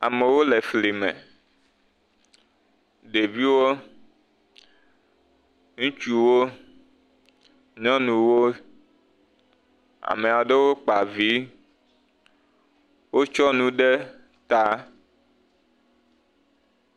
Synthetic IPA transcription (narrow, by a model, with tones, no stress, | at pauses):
a˨me˨wo˦le˨fli˨mḛ̃˨ | ɖe˨vi˦wo˦ | ŋũ˦t͡ʃu˦wo˦ | ɲɔ̃˦nũ˨wo˦ | a̰˨me˨a˨ɖe˦wo˦k͡pa˨vi˦ | wo˦t͡ʃɔ˦nũ˦ɖe˦ | t̪a˦